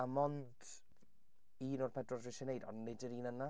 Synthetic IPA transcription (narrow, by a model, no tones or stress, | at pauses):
amɔnd | iːnɔrpʰɛdrɔrdrɪʃɛnejdɔ̰nnːedɪɾiːnəna